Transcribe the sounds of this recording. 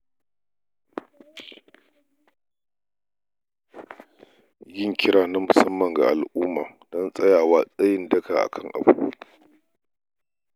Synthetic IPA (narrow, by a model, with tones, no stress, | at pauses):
jɪ˦ŋkʲɪ˦ɽaː˨na˦mʊ˨sɐ˦mːɐ˨ŋɡa̰˨ʔa˨lʔuː˦maː˨d̥ɔ˦nsʼɐ˦jaː˨waː˦sʼɐ˦jɪ˦ndɐ˦kaː˨ʔa̰˨kʰɐ˦ŋʔa̰˨bṵ˦